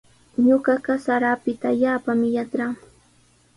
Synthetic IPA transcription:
ɲoɢɑɢɑsaɾapɪt̪aːʎaːpamɪjatɾaŋ

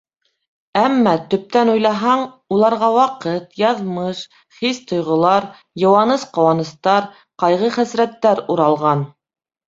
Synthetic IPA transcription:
æmːɑt̪ɵ̆p̚t̪ænujlˠɑɦɑɴ | ulˠɑɾʁɑwɑqɤt̪jɑðmɤʃ | χist̪ŏjʁŏlˠɑɾ | jɤ̆wɑnɤsqɑ̆wɑnɤ̆st̪ɑɾ | qɑjʁɤχæsɾæt̪ːæɾuɾɑlˠʁɑn

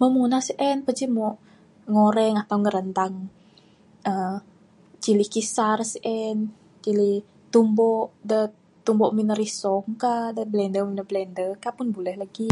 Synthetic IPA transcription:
məmunasiʔɛnpəd͡ʒimɔʔ | ŋoɾɛŋat̪awŋəɾənt̪aŋ | ʔə | t͡ʃilihkisarsʔɛn | t͡ʃilih | t̪umbɔʔdə | t̪umbɔʔminəɾisɔŋkadəblɛndəmunəblɛndəkaʔpʊnbulɛhlaɡi

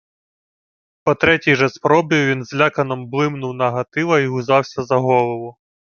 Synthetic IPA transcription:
pɔt̪ɾɛtʲijʒɛspɾɔbʲiʋʲinzlʲakɐnɔmblˠɪmnʊwnɐɦɐt̪ɪʋɐiɦʊzɑwsʲɐzɐɦɔlˠɔʋʊ

